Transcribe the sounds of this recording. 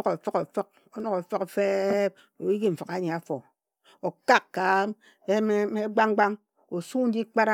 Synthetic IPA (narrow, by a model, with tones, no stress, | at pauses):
ko˨fɔ˦ko˨fɔ˦k̚ | o˦no˦˨ko˨fɔ˦kfe˦p̚ | o˨ji˦ɡi˦m̩˨fi˨ka˨˦ɲe˨a˨fo˨ | o˨ka˦kkːa˨˦ | e˦m˦e˦ɡ͡ba˦ŋ˦ɡ͡ba˦ŋ | o˨su˦n̩˦di˦k͡pa˦ɾa˦